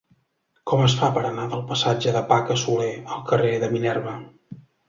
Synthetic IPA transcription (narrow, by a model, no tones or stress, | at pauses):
kɔməs̬fapəɾənaðəlˠpəsad͡ʒəðəpakəsuleəlˠkəreðəminɛrβə